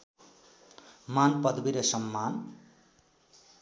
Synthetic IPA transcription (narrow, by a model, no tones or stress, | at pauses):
manpʌd̪biɾʌsʌmːan